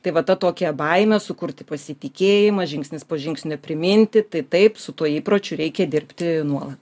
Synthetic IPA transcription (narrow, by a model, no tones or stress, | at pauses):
t̪ɐɪʋɐt̪ɐt̪oːkʲɛbɐɪmʲɛsʊkʊɾʲt̪ʲɪpɐsʲɪt̪ʲɪkʲeːjɪmɐʒʲɪŋksʲnʲɪspoːʒʲɪŋksʲnʲʊɔpʲɾʲɪmʲɪnʲt̪ʲɪt̪ɐɪt̪ɐɪpsʊt̪uɔiːpɾoːt͡ʃʲʊɾʲɛɪkʲɛd̪ʲɪrʲpʲt̪ʲɪnuɔlˠɐt̪